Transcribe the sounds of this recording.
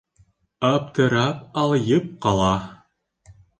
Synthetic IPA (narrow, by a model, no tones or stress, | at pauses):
ɑpt̪ɤ̆ɾɑpɑlˠjɤp̚qɑlˠɑ